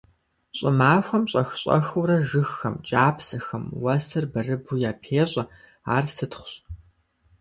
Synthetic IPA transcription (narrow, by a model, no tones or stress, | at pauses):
ɕʼɪmaːxʷɐmɕʼɐxɕʼɐ̰xuɾɐʒɨxːɐmt͡ʃʼaːpsɐxɐmwɐsɨrbɐrɨbujaːpʰeːɕʼɐ | a̰ːrsɨtχʷʊ̥ɕʼ